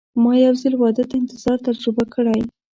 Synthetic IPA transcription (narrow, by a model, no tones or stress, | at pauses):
mɑjawzɪlwɑd̪ad̪ɪnt̪ɪz̥ɑɾt̪aɾd͡ʒʊbakʰəɽaj